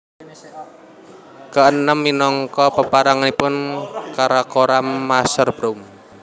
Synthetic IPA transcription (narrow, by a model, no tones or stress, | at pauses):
kəʔənəmːinɔŋkɔpəpaɾaŋanipʊnkaɾakoɾamːasərb̥ɾom